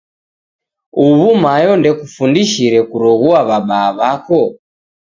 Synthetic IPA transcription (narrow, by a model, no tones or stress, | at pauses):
uβumajɔndɛkufundiʃiɾɛkuɾɔɣuaβaɓaːβakɔ